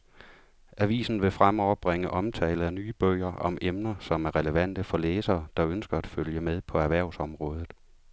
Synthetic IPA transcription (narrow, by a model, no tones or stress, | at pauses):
æʋḭːsn̩ʋe̝fʁamɒʊɐb̥ʁeŋəʔɒ̽mt͡sʰɛːləð̩ˠænyːb̥œːɪ̰ɐʔɒ̽mʔemnɐsɒ̽mæɐʁɛləʋæn̰d̥əfɒ̽leːsɐːd̥ɑ̈ønsɡ̥ɐæd̥føljəmeð̞ˠpʰɒ̽æɐʋæɐ̰ʊsɒ̽mʁɔ̽ːð̞ˠð̩ˠ